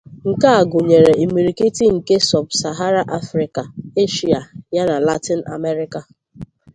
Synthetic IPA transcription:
ŋ̩˨ka˦a˨ɡʊ˨ɲe˨ɾe˨i˨mi˨ɾi˨ki˦ti˦ŋ̩˨ke˦sɔ˨bsa˨ɦa˦ɾa˦ʔa˦fɾɪ˨ka˨e˦ʃi˨a˨ja˦na˨la˦ti˦na̰˨me˦ɾɪ˦ka˨

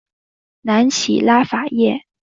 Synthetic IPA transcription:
na˧˥nt͡ɕʰḭ˨˩la˥fa˨˩jɛ˥˩

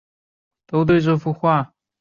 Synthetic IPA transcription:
t̪o˥ʊt̪we˥˧ɪʈ͡ʂɤ˥˩fu˥˧xwa˥˩

